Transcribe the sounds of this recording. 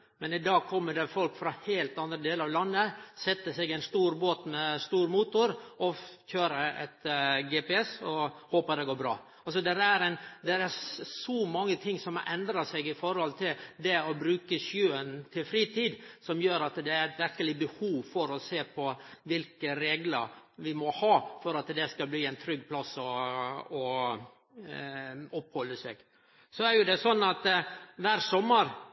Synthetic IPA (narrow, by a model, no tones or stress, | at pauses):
mɛnɪd̪ɑːɡ̚kʰɔmːəɖɛfɔlkfɾɑheːlt̪ɑnd̪ɾəd̪eːləɾɑʋlɑnːəsɛt̪ːəsɛɡɛɪnst̪uːɾboːt̪mɛst̪uːɾmuːt̪ʊɾʔɔçøːɾəʔɛ̰t̪ɡɛːpɛɛsɔhoːpəd̪ɛɡoːɾbɾɑ̰ː | ɑlsɔd̪ɛɾæɾɛnd̪ɛɾæɾsɔmɑŋːət̪ʰɪŋsɔmʔɛnd̪ɾɑsɛɡɪfɔɾhɔlt̪ʰɪld̪ɛɔbɾʉːkəsjøːənt̪ʰɪlfɾiːt̪ʰiːd̪sɔmjøːɾɑt̪d̪ɛæɾɛt̪ʋɪɾkəlɪbəhuːʋfɔɾɔseːpʰɔʋɪlkəɾeːɡləɾʋɪmɔhɑːfɔɾɑt̪d̪ɛskɑbliːɛnt̪ʰɾʏɡpʰlɑsːɔɔ | ɔphɔlːəsɛ̰ːɡ̥ | sɔæɾjʊd̪ɛsɔnːɑt̪ʋæːɾsɔmːəɾ